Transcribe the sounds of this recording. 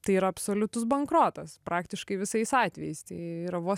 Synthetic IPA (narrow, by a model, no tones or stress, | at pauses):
t̪ɐɪiːɾɐɐpsoːlʲʊt̪ʊsbɐŋkɾoːt̪ɐspʔɑːkt̪ʲɪʃkɐɪʋʲɪsɐɪsɑːt̪ʲʋʲɛjɛɪst̪ɐɪiːɾɐʋoːɔ